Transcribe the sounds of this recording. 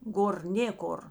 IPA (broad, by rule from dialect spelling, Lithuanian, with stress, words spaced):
ˈɡoːr ˈnʲeːkoːr